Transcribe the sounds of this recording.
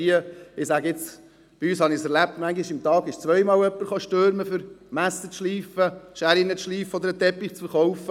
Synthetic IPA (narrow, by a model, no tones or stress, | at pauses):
iəɪsæɡəɪt͡s | b̥iyːshɑnɪsɛɾlæp̚tmæŋɡɪʃɪmt̪ɑːɡɪʃt͡sʋœɪmɑːlœpːəɾχoʃtøːɾməfʏɾmæsət͡sʃliːfəʃæɾɪnət͡sʃliːfəɔd̪əɾət̪ɛpːɪχt͡sfəɾχɔwfə